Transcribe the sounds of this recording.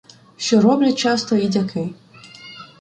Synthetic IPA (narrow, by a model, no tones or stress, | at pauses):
ʃt͡ʃɔɾɔblʲɐt͡ʃɑst̪ɔidʲakʰɪj